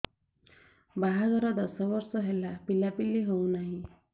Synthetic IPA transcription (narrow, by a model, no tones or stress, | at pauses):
baɦaɡɔɾad̪ɔsɔbɔɾsɔɦelapilapilːiɦownaɦĩ